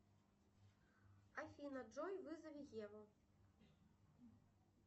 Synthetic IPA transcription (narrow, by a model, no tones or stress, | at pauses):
afʲinɐd͡ʐɔjvɨzɐvʲiɣʲɛvɐ